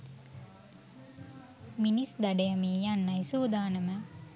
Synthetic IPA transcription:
minisd̪aɖejəmeːjanːɐjsuːd̪aːnəmə

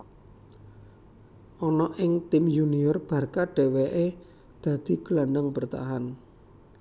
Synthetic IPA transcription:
ʔɔnɔʔɪŋt̪ɪmjuniʊrb̥ä̤rkaɖ̥e̤weʔe | d̪̥a̤d̪̥i̤ɡ̥əlanəŋbərt̪a̰ɦan

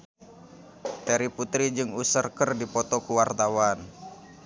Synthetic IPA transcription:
t̪ɛɾiput̪ɾid͡ʒɨŋusərkərdipɔt̪ɔkuwart̪awan

